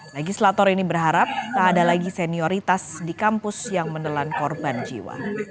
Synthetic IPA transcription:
leɡislat̪ɔɾinibərɦaɾap̚k̪aːdalaɡisɛniɔɾit̪asdikampʊsjaŋmənəlankɔrband͡ʒḭwa̰

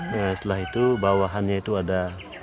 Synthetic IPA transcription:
əsə̥t̪əlaɦit̪ubawaɦanɲait̪uada

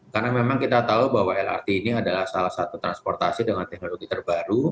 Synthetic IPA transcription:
karnamemaŋkit̪at̪aubawaɛla̰rt̪iːniadalahsalahsat̪ut̪ɾanspɔrt̪asidəŋant̪ɛk̚noloɡit̪ərbaɾu

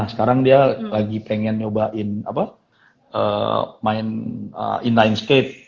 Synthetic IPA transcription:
hsə̥kaɾaŋdialaɡipeŋɛnobaʔɪna̰pa | ə̰maɪnə̰ʔinlajnstet̪̚

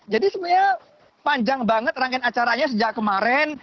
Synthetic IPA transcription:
d͡ʒadisəmuɲa | paɲd͡ʒaŋbaŋət̪̚raŋkɛnat͡ʃaɾaɲas̬əd͡ʒaʔkəmaɾɛn

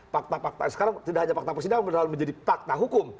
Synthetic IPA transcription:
pak̚t̪apak̚t̪asə̥kaɾaŋt̪idahaɲafak̚t̪apərs̬idaŋbənɦalməɲd͡ʒadipak̚t̪aɦukʊm

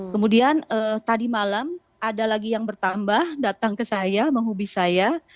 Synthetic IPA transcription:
kəmudianət̪adimalam | adalaɡijaŋbərt̪ambahdat̪aŋkəsajaməŋɦubisaja

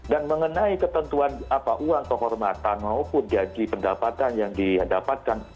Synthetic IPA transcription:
danməŋənaikət̪ənt̪uanapaʔuaŋkəɦɔrmat̪anmaupʊnd͡ʒad͡ʒipəndapat̪anjaŋdiədapat̪̚kan

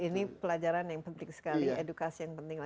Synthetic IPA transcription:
inipəlad͡ʒaɾanjaŋpənt̪ɪŋsə̥kaliedukasijaŋpənt̪ɪŋla

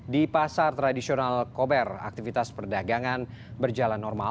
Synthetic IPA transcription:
dipasart̪ɾadisionalkɔbɛra̰k̚t̪ifit̪aspərdaɡaŋan | bərd͡ʒalanːɔrma

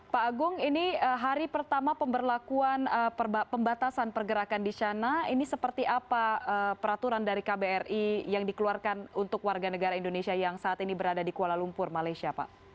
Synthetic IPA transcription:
paːɡʊŋiniəɦaɾipərt̪amapəmbərlakuanəpəmbat̪asanpərɡəɾakandit͡ʃanainisəpərt̪iʔapaəpəɾat̪uɾandaɾikabeɛrijaŋdikəluarkanunt̪ʊkwarɡanəɡaɾaindonesiajaŋsaːt̪inibəɾadadikualalumpʊrmalajsiapa̰ʔ

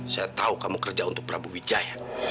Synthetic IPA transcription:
sajat̪aukamukərd͡ʒaunt̪ʊk̚pəɾabuwid͡ʒaja

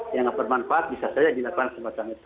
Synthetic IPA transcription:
jaŋapərmanfaat̪̚bisasad͡ʒadilakuansəbat͡ʃaŋit̪u̥

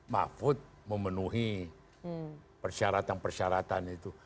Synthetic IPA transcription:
ma̰fʊt̪̚ | məmənuɦi | pərʃaɾat̪anpərʃaɾat̪anit̪u

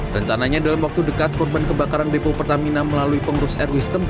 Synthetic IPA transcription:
rəɲt͡ʃanaɲadalamwak̚t̪udəkat̪̚kɔrbankəbakaɾanbepopərt̪aminaməlaluipəŋɡɾʊsɛrwist̪əm

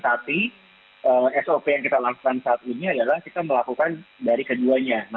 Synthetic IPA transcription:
sat̪i | əːɛsopejaŋkit̪alaku̥kansaːt̪̚iniadalahkit̪aməlakukandaɾikəduaɲana

